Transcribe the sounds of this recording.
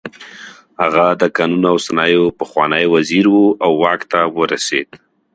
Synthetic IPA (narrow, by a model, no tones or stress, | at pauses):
haɣad̪əkɑnunawsanɑjopəxwɑnəjwaziɾwuawːɑkt̪awəɾased̪̥